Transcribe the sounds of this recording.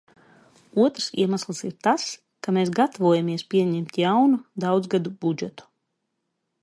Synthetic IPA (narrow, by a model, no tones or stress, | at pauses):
uɔt̪ɾsḭɛmaslˠsiɾt̪as | kameːsɡat̪avuɔjamiɛspʲiɛɲɛmt̪jawnud̪awd̪zɡad̪ub̥ud͡ʒɛt̪u̥